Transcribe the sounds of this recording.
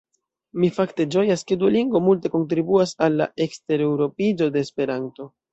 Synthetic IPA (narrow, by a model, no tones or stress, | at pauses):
mifakte̞d͡ʒo̞jaskeduliŋɡvo̞multe̞ko̞nt̬ɾibuasalːa̰ʔe̞kste̞ɾewɾo̞pid͡ʒo̞de̞ːspe̞ɾanto̞